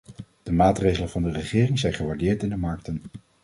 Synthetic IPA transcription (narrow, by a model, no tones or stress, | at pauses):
d̥əmaːtrejχələnvɑndərəχɪːrɪŋzɛjnχəʋaɹdɪːɹtɪndəmɑɹk̚tən